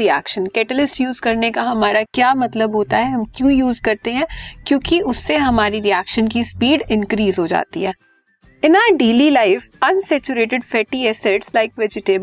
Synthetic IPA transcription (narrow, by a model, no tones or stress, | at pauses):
ɾiɛ̰ːkʃə̃nkɛːʈəlɪsʈjuːzkɐɾnekaɦɐmaːɾakjaːmɐt̪ləbɦoːt̪aɦɛɦɐmkjõːjuːzkɐɾt̪eɦɛ̃ːkjõːkiʊsːeɦɐmaːɾiɾiæːkʃənk̬ispiːɖɪ̃nkɾiːzɦod͡ʒa̰ːt̪ḭɦɛː | ɪ̃naːɖeːlilaɪfɐ̃nsɛːt͡ʃuɾeːʈɪɖfɛːʈiɛsɛʈslaɪkʋɛd͡ʒɪʈeːb